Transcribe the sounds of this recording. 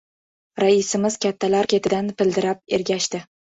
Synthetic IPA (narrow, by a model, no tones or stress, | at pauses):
ɾaɪsɪmɪz̥kʲat̪ʰːalaɾkʲe̞t̪ʰɪd̪anpɪld̪ɪɾap̚eɾɡʲaʃt̪ɪ